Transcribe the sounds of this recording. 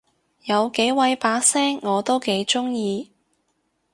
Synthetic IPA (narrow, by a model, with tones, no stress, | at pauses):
jɐ˨˧wke˨˥jwɐ˨˧jpaː˨˥sɛː˥ŋːɔː˨˧t̪o˥wke˨˥jt͡ʃʊ˥ŋjiː˧